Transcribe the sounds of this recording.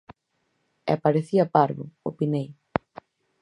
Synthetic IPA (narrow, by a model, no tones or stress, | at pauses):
ɛ̰apaɾeθiɐpaɾβʊo̰pinej